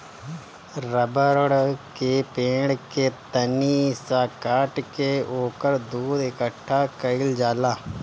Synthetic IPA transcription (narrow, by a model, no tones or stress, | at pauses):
ɾəbəɾɽkeːpẽːɽket̪əniːsaːkaːʈkeoːkəɾd̪uːd̪ɪkəʈʰːaːkəɪld͡ʒaːlaː